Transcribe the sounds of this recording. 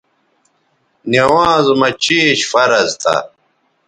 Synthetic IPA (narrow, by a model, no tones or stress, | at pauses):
newãːzmɐt͡ɕiːɕfɐɾɐzt̪ʰɐ̰